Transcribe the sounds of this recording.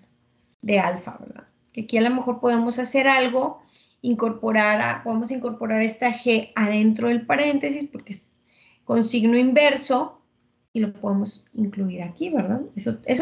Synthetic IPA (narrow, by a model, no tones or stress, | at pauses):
d̪ealfa̰βḛɾða̰ð | keakialo̞me̞xo̞ɾpo̞ðe̞mo̞sase̞ɾalɣo̞ | iŋko̞ɾpoɾaɾa̰poðemos̬iŋko̞ɾpo̞ɾaɾe̞st̪axe̞að̞e̞nt̪ɾo̞ðe̞lpaɾe̞nt̪e̞s̬ispo̞ɾkees | ko̞nsiɣno̞imbe̞ɾso̞ | ilo̞po̞ðe̞mo̞siŋkluiɾakiβe̞ɾðaðesoes